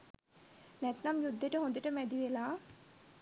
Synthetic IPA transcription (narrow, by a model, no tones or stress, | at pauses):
næt̪namjud̪ʱːeʈəɦõnd̪əʈəmæd̪iʋelaː